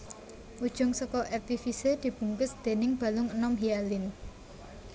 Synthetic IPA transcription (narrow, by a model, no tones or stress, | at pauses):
ʔud̥ʒ̥ʊŋsɔkɔʔɛrt̪ifised̪̥i̤b̥ṳŋkʊsd̪̥e̤nɪŋb̥a̤lʊŋənɔmɦialɪn